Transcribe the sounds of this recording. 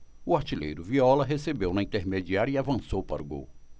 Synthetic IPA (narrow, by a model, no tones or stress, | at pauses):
ʊaɾt͡ʃilḛjɾʊviɔlɐɦesebewnɐĩt̪eɾmed͡ʒiaɾjɐiavɐ̃sowpaɾʊɡo̰w